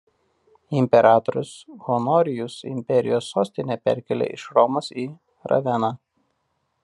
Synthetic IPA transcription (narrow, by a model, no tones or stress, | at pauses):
ɪmʲpʲɛɾʔɑːt̪ɔɾʲʊsɣɔnɔːɾʲɪjʊsɪ̰mʲpʲɛɾʲɪ̰joːsːoːsʲt̪ʲɪnʲepʲɛ̰ɾʲkʲɛlʲḛʔɪʃɾɔmosiː | ɾɐ̰ʋʲɛnɑ